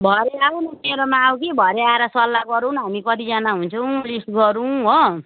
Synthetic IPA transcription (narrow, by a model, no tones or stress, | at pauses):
bʱʌɾeaonʌmeɾʌmaːw̃kibʱʌɾeaeɾʌsʌlːaɡʌɾuwnɦamikʌt̪id͡zanaɦunt͡sʰʌw̃lisʈɡʌɾũɦo